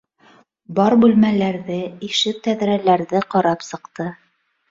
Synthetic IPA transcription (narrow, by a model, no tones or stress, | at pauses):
bɑɾbʉlmælæɾðɘiʃɘk̚t̪æðɾælæɾðɘqɑɾɑpsɤ̆qt̪ɤ